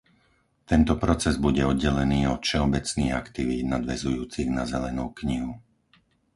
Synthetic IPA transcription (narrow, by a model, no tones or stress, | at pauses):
t̪ɛnt̪ɔpɾɔt͡sɛzbuɟɛɔd̪ɟɛlɛniːɔt̪fʃɛɔbɛt͡sniːɣakt̪iʋiːd̪nad̪ʋɛzujuːt͡siɣnazɛlɛnuːkɲiɦu